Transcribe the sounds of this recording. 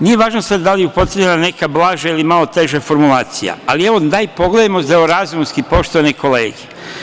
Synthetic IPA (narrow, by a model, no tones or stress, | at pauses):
nije̞ʋaːʒnosad̪d̪alijeupo̞t̪ɾeenane̞kablˠaːʒailimalo̞t̪e̞ʒafo̞ɾmulˠaːt̪sija̰alie̞ʋod̪aipo̞ɡled̪amozeoɾazumskipo̞ʃt̪oʋaniko̞lḛːɡe